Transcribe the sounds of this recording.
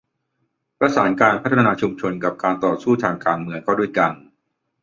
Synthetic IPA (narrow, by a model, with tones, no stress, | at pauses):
pɾa˧saː˩˦nkaː˧npʰa˦˥t̪ʰːnaː˧t͡ɕʰu˧mt͡ɕʰo˧nka˨˩p̚kaː˧nt̪ɔː˨˩suː˥˩t̪ʰaː˧ŋkaː˧nmɯ˧əŋkʰɔː˥˩du˥˩əjka˧n